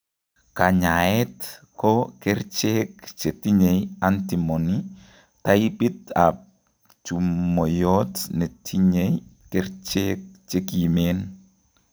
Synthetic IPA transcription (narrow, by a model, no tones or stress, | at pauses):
kaɲaɛtkɔkɛɾt͡ʃek̚t͡ʃetiɲejantimoni | tajibita | t͡ʃumːojɔtnetʰiɲej | kɛɾt͡ʃek̚t͡ʃekimen